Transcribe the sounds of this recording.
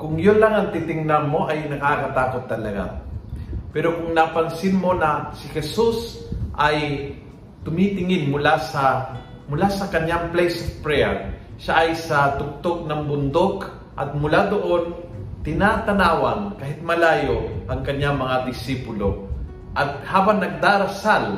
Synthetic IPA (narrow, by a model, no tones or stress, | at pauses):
kʊŋjonlaŋɐŋt̪ɪt̪ɪŋnanmoʔɐjnɐkakɐt̪aːkot̪ːɐlɐɡa̰ | pɛɾokʊŋnapaŋsɪnmo̞nɐsɪhɛsusʔɐj | t̪ʊmit̪ɪŋɪnmʊlasɐ | mʊlasɐkɐɲːaŋplɛjsofpɹɛɐ̰ʃaʔajsɐt̪ʊk̚t̪ok̚nɐŋbʊnd̪ok | ʔɐt̪̚mʊlad̪oʔont̪ɪnaːt̪ɐnaːwankaːɦɪt̪̚mɐlaːjohɐŋkɐɲːaŋmɐŋad̪ɪsipʊlo | ʔɐt̪̚haːbaŋnɐɡ̚d̪aːɾɐsal